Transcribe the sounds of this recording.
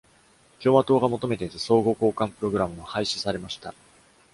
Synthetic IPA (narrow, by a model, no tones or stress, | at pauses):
kʲo̞ːβat̪o̞ːɡamo̞t̪o̞me̞t̪e̞izɨso̞ːɡo̞ːko̞ːkãmpɯ̟ɾo̞ɡɯ̟ɾamɯ̟mohaiɕi̥saɾe̞maɕi̥t̪a̰